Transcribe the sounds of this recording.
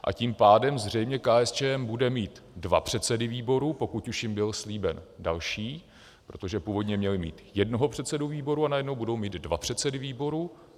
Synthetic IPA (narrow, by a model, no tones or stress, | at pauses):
ʔa̰ciːmpaːdɛmzr̝ɛjmɲɛkaːɛst͡ʃɛːɛmbudɛmiːt̪dvapr̝̥ɛt̪sɛdɪviːbo̞ɾupo̞kuc̪uʃjɪmbɪlsliːbɛndalʃiː | pɾo̞t̪o̞ʒɛpuːvo̞dɲɛmɲɛlɪmḭːt̪jɛdnoɦopr̝̥ɛt̪sɛduviːbo̞ɾuanajɛdno̞wbudo̞wmiːt̪d̪dvapr̥ɛt̪sɛdɪviːbo̞ɾu